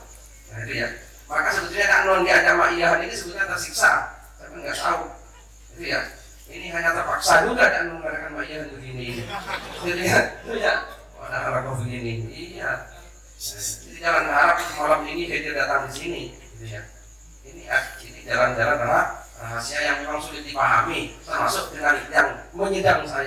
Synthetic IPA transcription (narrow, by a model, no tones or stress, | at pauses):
jad͡ʒad̪ija̰ | makasəbət̪uɲadaʔnɔndiad͡ʒamaʔiaɦaninisəbut̪̚ɲɲat̪ərsiksa | t̪apiŋɡaʔt̪au | d͡ʒat̪uja | iniɦaɲat̪ərpaksad͡ʒuɡadanɔŋɡanakanmaiaɦanbəɡiniːnid͡ʒad̪iatja | a̰daɦalap̚bəfiɡiniija | d͡ʒadid͡ʒalanɦalap̚səmalaminid͡ʒadiadat̪aŋdisiniɡit̪uja | inia̰d͡ʒadid͡ʒaland͡ʒalanaɾa | əsiajaŋmaŋsulɪt̪̚dipaɦa̰mit̪əma̰sʊk̚dəŋanjaŋməɲidaŋsaj